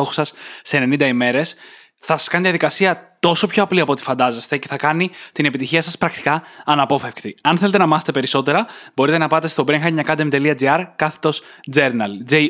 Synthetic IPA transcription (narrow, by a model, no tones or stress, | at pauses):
oxo̥sɐsːe̞ne̞nind̪ɐime̞ɾe̞s | θɐsɐ̥skɐniðiɐðikɐsiɐt̪o̞so̞pço̞ɐpliɐpot̪i̥fɐnd̪ɐzest̪e̞ce̞θɐkɐnit̪ine̞pit̪içiɐsɐspɾɐkt̪i̥kɐɐnɐpo̞fe̞fkt̪iɐnθelet̪e̞nɐmɐθet̪epe̞ɾiso̞t̪e̞ɾɐbo̞ɾit̪e̞nɐpɐt̪e̞st̪o̞bɾiŋxɐɲɐkɐd̪emt̪e̞liɐd͡ziɐɾkɐθe̥t̪o̞s | d͡zeɾnɐld͡ze